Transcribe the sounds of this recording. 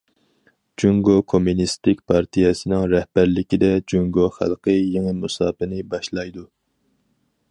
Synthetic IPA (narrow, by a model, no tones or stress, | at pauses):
d͡ʒuŋɡokʰomunist̪ɪkʲpʰɑɾt̪ʰijɛsɨnɪŋɾɛhbæɾlɪkʲid̪ɛd͡ʒuŋɡoχæ̰lˠqəjeŋɨmusɑːpɨnɨbɑʃlˠɑjd̪u